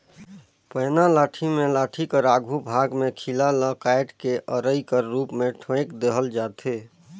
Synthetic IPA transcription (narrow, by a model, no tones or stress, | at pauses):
pəɪnalaːʈʰimẽlaːʈʰikəɾaɡʱubʱaɡmekʰilaləkajʈkeʔəɾəikəɾːuːpmeʈʰõekd̪eɦəld͡ʒat̪ʰe